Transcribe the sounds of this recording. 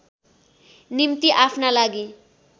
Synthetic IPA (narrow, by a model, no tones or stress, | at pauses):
nimt̪iʔapʰnalaɡi